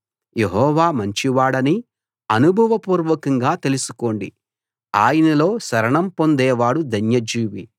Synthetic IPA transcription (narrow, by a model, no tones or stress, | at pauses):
je̞ɦɔːʋaːmɐɲt͡ʃiʋaːɽɐni | ɐnubʱɐʋɐpuːɾʋɐkɐŋɡaːt̪e̞lusu̥ko̞ːɳɖḭ | aːjɐnɐlo̞ːsɐɾɐɳɐmpo̞nd̪ɛːʋaːɽud̪ɐnjɐd͡ʒiːʋi